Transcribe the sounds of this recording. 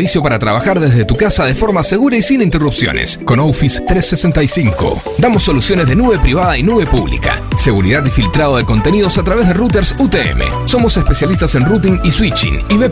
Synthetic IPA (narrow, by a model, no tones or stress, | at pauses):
βisjo̞paɾat̪ɾaβ̞axaɾðezðe̞t̪ukasaðefo̞ɾmase̞ɣuɾaisinint̪erupsjo̰nḛskonowfist̪ɾesːesent̪ajsiŋko̰ | d̪amosːo̞lusjo̞nezðenuβe̞pɾiβ̞aðainuβe̞puβlḭka̰se̞ɣuɾḭðat̪ifilt̪ɾað̞oð̞eko̞nt̪e̞nið̞o̞sat̪ɾaβ̞ezðerut̪eɾsut̪eḛmḛso̞mo̞sespesjalis̬t̪ase̞nrut̪̬iŋiswit͡ʃḭniβe